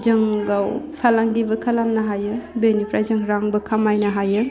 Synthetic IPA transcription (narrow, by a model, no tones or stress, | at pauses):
d͡ʒɯŋɡawpʰalaŋɡibɯkʰalamnaɦajɯbenipɾazɯŋɾaŋbɯkʰamajnaɦajɯ